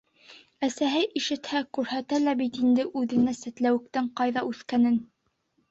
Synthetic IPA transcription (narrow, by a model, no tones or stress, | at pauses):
æsæɦɘʔiʃɘ̆t̪hækʉɾhæt̪ælæbit̪ind̪ɘʔʉðɘ̆næsæt̪læwɘ̆kt̪æɴqɑjðɑʉθkænɘn